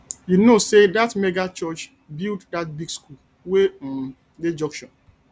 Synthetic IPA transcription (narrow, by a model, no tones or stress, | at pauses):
junosedatmeɡat͡ʃɔt͡ʃ | bilddat̚biɡskul | we | ded͡ʒɔ̃ŋkʃɔ̃n